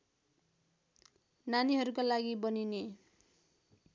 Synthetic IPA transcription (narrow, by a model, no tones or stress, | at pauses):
naniɦʌɾukolaɡibʌnine